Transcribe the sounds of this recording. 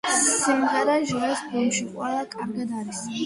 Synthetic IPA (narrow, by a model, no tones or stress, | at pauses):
simʁɛɾaʒuɾɛspʰimʃiqʼwɛlˠakʼaɾɡad̪aɾis